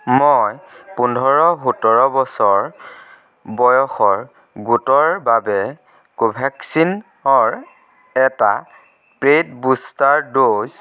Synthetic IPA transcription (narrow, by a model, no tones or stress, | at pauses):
mojpundʱɔɹɔɦutɔɹɔbɔsɔɹ | bɔjɔxɔɹ | ɡutɔɹbabɛ | kobʱɛksin | ɔɹ | ɛta̰ | pɹetbustaɹdoz